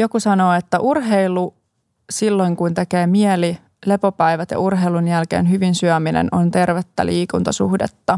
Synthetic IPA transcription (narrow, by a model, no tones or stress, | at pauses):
jo̞kusɑno̞ːet̪ːæʔurɦeilu | silːo̞jŋkunt̪e̞keːmieli | le̞popæjʋæt̪jɑ̰urɦeilunjælkḛːnɦyʋinsyæminḛnont̪e̞rʋet̪ːæ̰lʔiːkunt̪ɑsṵhdḛt̪ːɑ